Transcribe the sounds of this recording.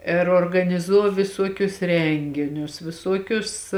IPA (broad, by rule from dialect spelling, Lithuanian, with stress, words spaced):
ɪr oːrɡɐnʲɪˈzuː ʋʲɪˈsuɔkʲʊs ˈrʲɛŋʲɡʲɪnʲʊs ʋʲɪˈsuɔkʲʊs